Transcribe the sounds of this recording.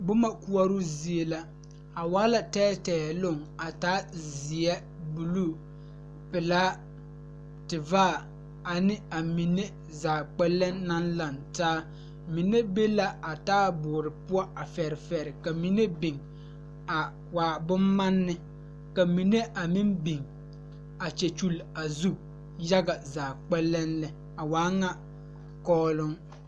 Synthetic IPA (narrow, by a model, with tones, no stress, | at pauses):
bʊ˦ma˦ku˦a˦ɾʊ˦zi˨e˨la˦ | a˨wa˦la˨tɛː˦tɛː˨lo˦˨ŋa˨taː˦zi˨ɛ˦ | bu˨lu˦ | pɪ˨laː˦ | tɪ˨vaː˦˨ | a˨nɪ˦a˨mi˨ne˦ | zaː˨k͡pɛ˦lːɛ˦nːa˦nla˨ntaː˦ | mi˨ne˦be˦la˦a˨taː˦bʊː˨ɾɪ˨pʊ˦ɔ˦a˨fɛ˨ɾɪ˨fɛ˨ɾɪ˨ka˨mi˨ne˦bɪ˨ŋ | a˨ | waː˨bʊ˦mːa˦nːɪ˦ | ka˨mi˨ne˦ʔa˨mi˦nbi˨ŋ | a˨t͡ʃɛ˨t͡ʃu˦la˨zu˦ | ja˦ɡa˨zaː˨k͡pɛ˦lːɛ˦nlɛ˨ | a˨waː˨˦ŋa˦ | kɔː˦lʊ˦ŋ